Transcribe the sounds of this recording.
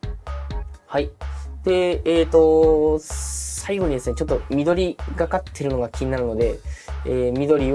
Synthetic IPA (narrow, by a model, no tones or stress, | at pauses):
haid̪̥e̞eːt̪o̞ | saiɡo̞ɲ̟id̪e̞sɨnet͡ɕo̞t̪ːo̞mʲid̪o̞ɾʲiɡakat̪ʰːe̞ɾɯ̟no̞ɡakʲiɲ̟inaɾɯ̟no̞d̪e̞eːmʲid̪o̞ɾʲi